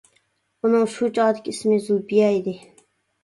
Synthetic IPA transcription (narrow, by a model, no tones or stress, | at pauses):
unɨŋʃud͡ʒɑʁd̪ɪkʲʰismɪzubijɛid̪ɪ